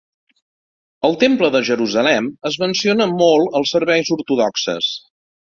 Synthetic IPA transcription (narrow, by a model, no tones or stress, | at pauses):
əlˠt̪empləðəʒəɾuzəlɛməzmənsionəmolˠəlˠsəɾβɛjzuɾt̪uðɔksə̰s